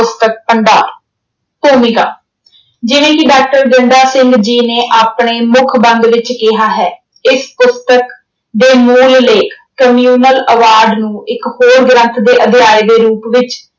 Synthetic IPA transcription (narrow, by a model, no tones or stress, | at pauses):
ʊst̪ək̚pəɳɖaːɾ | t̪oːmiːɡaː | d͡ʒɪʋẽːkɪɖaːk̚ʈəɾɡəɳɖaːsɪ̃ŋɡd͡ʒiːneːʔaːpɳeːmʊkʰbə̃nd̪ʋɪt͡ʃkɪɦaːɦɛː | ɪspʊst̪ək | d̪eːmuːlleːkʰ | kəmjuːnələʋaːɾɖnũːɪkhoːɾɡɾə̃nt̪ʰd̪eːʔəd̪ʱɪjaːed̪eːɾuːpʋɪt͡ʃ